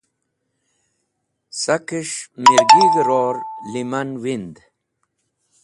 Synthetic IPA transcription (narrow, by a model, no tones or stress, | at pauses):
sakiʂmiɾɡiviɾoːɾlimɐnwind̪